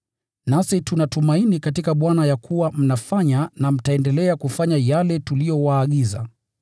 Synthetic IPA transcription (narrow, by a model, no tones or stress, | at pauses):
nasitunatumainikat̬ikaɓwanajakuwam̩nafaɲanam̩taɛndɛlɛakufaɲajalɛtulijɔwaːɠiza̰